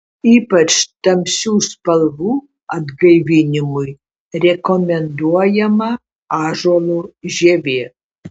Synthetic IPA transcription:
iːpɐt͡ʃt̪ɐmsʲuːspɐlˠʋuː | ɐd̪ɡɐjʋʲinʲɪmuj | rʲɛkomʲɛnd̪uɔjɛmɐ | ɑːʒolˠuʒʲeʋʲeː

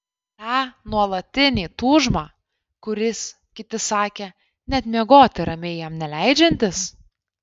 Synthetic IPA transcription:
t̪ɑːnuɔlˠɐt̪ʲɪnʲiːt̪uːʒmɑː | kʊɾʲɪs | kʲɪt̪ʲɪsɑːkʲeː | nʲɛt̪mʲiɛɡoːt̪ʲɪɾɐmʲeːjɛmnʲɛlʲæɪd͡ʒʲɛnʲt̪ʲɪs

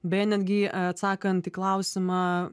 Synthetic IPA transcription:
bʲɛːnʲɛd̪ɡʲit̪saːkɐnt̪ʲiklˠawsʲɪmaː

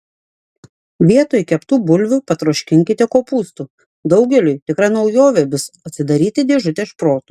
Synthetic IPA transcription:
ʋʲiɛt̪oːjkʲɛpt̪uːbʊlʲʋʲʊpɐt̪ɾoːʃʲkʲɪŋʲkʲɪt̪ʲɛkoːpuːst̪uː | d̪ɒʊɡʲɛlʲʊjt̪ʲɪkɾɑnɒʊjoːʋʲɛbʲʊsɐt̪ʲsʲɪd̪ɐɾʲiːt̪ʲɪd̪ʲeːʒʊt̪ʲɛːʃpɾoːt̪uː

